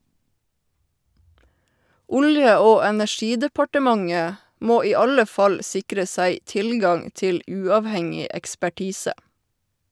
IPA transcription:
ˈʊljə ˈoː ɛnæˈʃiːdəpɑʈəˌmɑŋə ˈmoː ˈiː ˈɑlə ˈfɑl ˈsɪkɾə ˈsæɪ ˈtɪlɡɑŋ ˈtɪl ˈʉːɑːʋˌhɛŋɪ ɛkspæˈʈiːsə

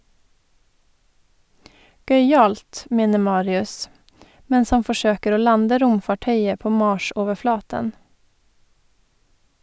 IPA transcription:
ˈɡœʏˌɑːlt ˈmeːnə ˈmɑːɾɪʉs ˈmɛns ˈhɑn fɔˈʃøːkəɾ ˈoː ˈlɑndə ˈɾʊmfɑˌʈœʏə ˈpoː ˈmɑːʃoːʋəˌflɑːtən

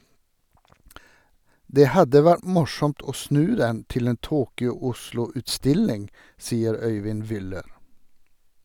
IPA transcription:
ˈdeː ˈhɑdə ˈʋæʈ ˈmʊʃɔmt ˈoː ˈsnʉː ˈdɛn ˈtɪl ˈeːn ˈtuːkʏʊ ˈʊʃlʊ ʉtˈstɪlɪŋ ˈsiːəɾ ˈœʏʋɪn ˈʋʏləɾ

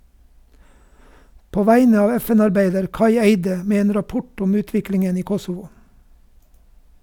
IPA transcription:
ˈpoː ˈʋæɪnə ˈɑːʋ ˈɛˌfɛn ɑɾˈbæɪdəɾ ˈkɑɪ ˈeɪdə ˈmeː ˈeːn ɾɑˈpʊʈ ˈʊm ˈʉːˌtʋɪklɪŋən ˈiː ˈkɔsʊʋʊ

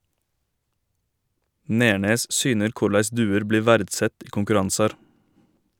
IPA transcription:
ˈneːɳeːs ˈsyːnəɾ ˈkʊɾlæɪs ˈdʉːəɾ ˈbliː ˈʋæːɾdˌsɛt ˈiː kʊŋkʉˈɾɑnsɑɾ

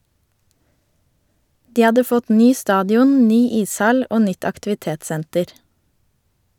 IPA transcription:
ˈdiː ˈɑdə ˈfɔt ˈnyː ˈstɑːdɪˌʊn ˈnyː ˈiːsˌhɑl ˈʔoː ˈnʏt ɑktɪʋɪˈteːtˌsɛntəɾ

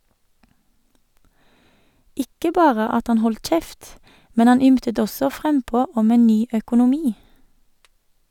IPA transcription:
ˈɪkə ˈbɑːʁə ˈɑt ˈhɑn ˈhɔlt ˈc͡çɛft ˈmɛn ˈɑn ˈʏmtət ˈɔsɔ ˈfʁɛmˌpoː ˈɔm ˈeːn ˈnyː œkʊnʊˈmiː

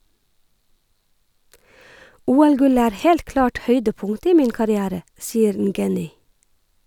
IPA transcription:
ˈuːˌælˌɡʉlə ˈæːɾ ˈhɛlt ˈklɑːʈ ˈhœʏdəˌpʊŋtə ˈiː ˈmiːn kɑɾɪˈæːɾə ˈsiːəɾ ˈŋɡɛnʏ

